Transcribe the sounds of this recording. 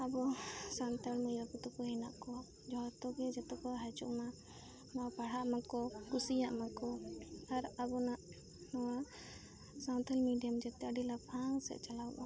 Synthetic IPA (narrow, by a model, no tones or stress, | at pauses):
abɔsant̪aɽmɔjɔpɔt̪ɔkɔɦinaʔkɔwa | d͡ʒɔɦt̪ɔɡɛd͡ʒɛt̪ɔkɔɦat͡ʃṵʔma | mapaɽ̤aʔmãkɔkusijaʔmakɔaɾabɔnaʔ | nɔwa | sat̪ʰalmiɖijamd͡ʒɛt̪ɛaɖilapʰaŋsɛ̰t͡ʃalawba